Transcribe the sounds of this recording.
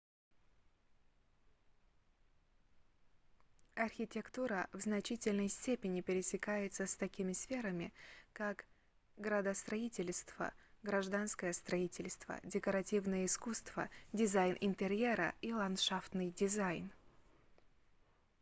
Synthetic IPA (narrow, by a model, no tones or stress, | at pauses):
ɐrxʲɪtʲɪkt̪uɾəvznɐt͡ɕitʲɪlʲnəjsʲtʲepʲɪnʲɪpʲɪɾʲɪsʲɪkajɪt̪səst̪ɐkʲimʲɪsfʲeɾəmʲɪkak | ɡɾəd̪əst̪ɾɐitʲɪlʲst̪v̥ə̰ɡɾɐʐd̪anskəjəst̪ɾɐitʲɪlʲst̪və̰dʲɪkəɾɐtʲivnəjəɪskust̪v̥ə̰dʲɪzajnʔɪnt̪ɪɾʲeɾə̰ilˠɐnt̪ʂaft̪nɨjdʲɪzajn